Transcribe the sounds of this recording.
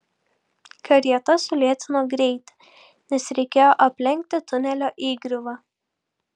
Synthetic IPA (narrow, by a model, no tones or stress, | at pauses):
kɐɾʲiɛt̪ɐsʊlʲiɛt̪ʲɪnoːɡɾʲɛɪt̪ʲ | nʲɛsɾʲɛɪkʲeːjoːʔɐpʲlʲɛŋʲk̚ʲt̪ʲɪt̪ʊnʲɛlʲoːʔiːɡɾʲɪʋɑː